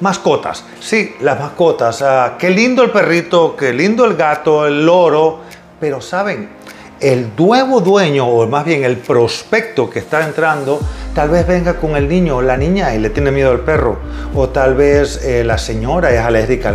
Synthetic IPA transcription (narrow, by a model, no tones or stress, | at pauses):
masko̞t̪a̰sːilazmasko̞t̪asake̞lind̪oelpe̞rit̪o̞kelind̪oe̞lɡat̪o̞elo̞ɾo̞ | pe̞ɾo̞saβe̞ŋ | eld̪we̞βo̞ðwe̞ɲo̞ːmazβje̞ŋe̞lpɾo̞spe̞k̚t̪o̞kest̪aent̪ɾand̪o̞t̪alβe̞zβe̞ŋɡakoŋe̞lnĩɲolanĩɲailet̪jenemjeðoalpe̞ro̞̰ot̪alβeselase̞ɲo̞ɾaesaleɣɾika